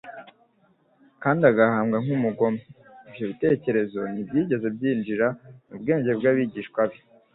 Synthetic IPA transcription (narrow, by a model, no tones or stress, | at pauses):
kaːndiaɡahaːmɡaŋumuɡo̞meː | bjo̞βite̞ːce̞ɾe̞zo̞nibjiːɟe̞ze̞bjiːnd͡ʒiɾanubɡe̞ːɲɟe̞bɡaβiɟiːʃkwabjo